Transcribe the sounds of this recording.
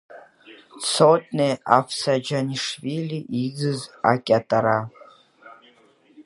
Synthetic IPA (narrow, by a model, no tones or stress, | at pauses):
t͡sʰotʼnea̰fʰsad͡ʒaniʂviliʔid͡zɨza̰kʲʼatʼaɾa